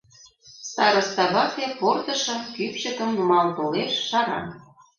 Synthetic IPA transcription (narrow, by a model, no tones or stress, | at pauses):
st̪ɑɾɤ̆st̪ɑβɑkeport̪ɤ̆ʃɤ̆mkypɕə̆kə̆mumɑlt̪oleʃːɑɾɑ̰n